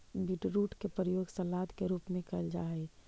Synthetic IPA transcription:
bʱiʈɾuːʈkepɾəjoːɡsɐlaːd̪keɾuːpmẽkəld͡ʒa̰ːɛ

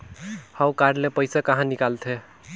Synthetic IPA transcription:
hãwkaɾlepəjsakəɦãnikalt̪ʰe

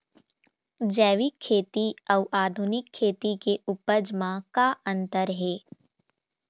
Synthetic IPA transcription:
d͡ʒɛːʋikʰːeːt̪iɔʊʔaːd̪ʱʊnɪkʰːeːt̪ikeʔʊpəd͡ʒmãkaʔə̃nt̪əɾɦeː

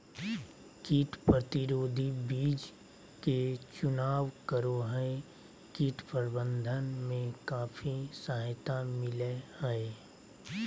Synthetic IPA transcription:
kiːʈʰpɾət̪ɪɾoːd̪ʱibiːd͡ʒ | ket͡ʃʊnaːʋkəɾoːɦəe | kiːʈʰpəɾbə̃nd̪ʱənmẽkaːfʰisəɦt̪amɪlehəe

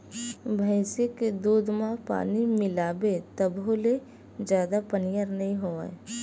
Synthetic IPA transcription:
bʱəɪsɪkd̪uːd̪mãpa̰ːnimɪlaːbet̪əbɦole | d͡ʒjaːd̪apənijəɾnəɦĩɦoːa̰

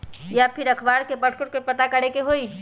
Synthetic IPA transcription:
japʰɪɾəkʰbaːɽkebəʈʰkoʈkepət̪akəɽekeɦoːi

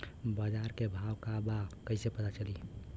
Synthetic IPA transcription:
bad͡ʒaɾkebʱaʋkabakəɪsepət̪at͡ʃəli

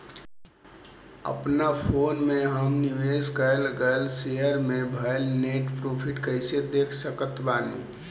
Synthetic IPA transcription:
ə̰pnapʰoːnmẽɦəmnɪʋeːskəlɡəlsejəɾmẽbʱəelneːʈpɾoːpʰɪʈkəɪsed̪eːkʰsəkət̪baːnḭ

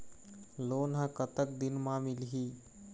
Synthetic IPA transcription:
loːnɦãkət̪ək̚d̪inmamilɦi

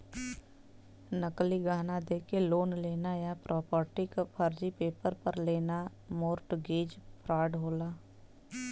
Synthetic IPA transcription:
nəkliɡʱaːnad̪eːkeloːnleːnajapɾʔɔːpɔːɾʈɪkpʰəɾd͡ʒipeːpəɾpəɾleːnamoːɾʈɡeːd͡ʒpʰɾaːɖɦoːlaː

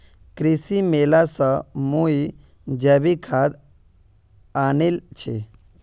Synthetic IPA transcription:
kɾisimelasamui | d͡ʒəbikʰad̪ | anelt͡ʃʰe

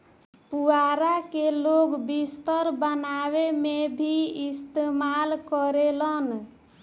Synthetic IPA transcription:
puaɾakeloɡbist̪əɾbənawemebʱiist̪emalkəɾelən

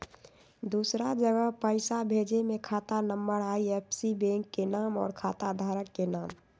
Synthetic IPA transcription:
d̪uːsɾad͡ʒəɡəɦpəɪsabʱeːd͡ʒemẽkʰaːt̪anəmbəɽaiepʰsibẽŋkːenaːmɔ̰ːɾkʰaːt̪ad̪ʱaːɾəkːenaːm

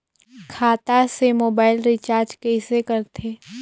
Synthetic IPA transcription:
kʰaːt̪asemoːbaːɪlɾɪt͡ʃaːɾd͡ʒkɛɪsekɐɾt̪ʰeː

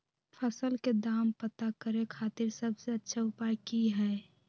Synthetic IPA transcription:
pʰəsəlked̪aːmpət̪akəɾekʰaːt̪ɪɾsəbseətːʃʰaʊpajkiɦɛ

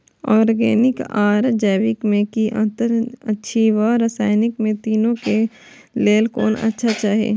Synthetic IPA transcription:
ɔːɾɡɛ̰ːnɪkaːɾd͡ʒɛːʋɪkmẽkiʔə̰̃nt̪əɾətːʃʰiʋəɾəsaːɪnɪkmẽt̪iːnõke | leːlkoːnɐ̰tːʃʰat͡ʃaːɦḛː

